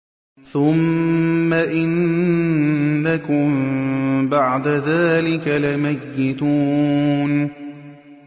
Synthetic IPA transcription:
θʊmː | aʔɪn | akʊm | baʕd̪aðaːlɪkalɪmajːɪt̪uːn

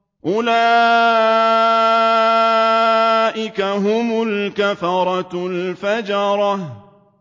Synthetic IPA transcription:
ʔʊlaː | ʔɪkaɦʊmʊlkafɑɾˤɑlfad͡ʒɑɾˤɑ

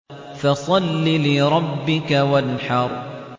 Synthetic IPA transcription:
fɑsˤɑlːilɪɾˤɑbːɪkawanħɑɾˤ

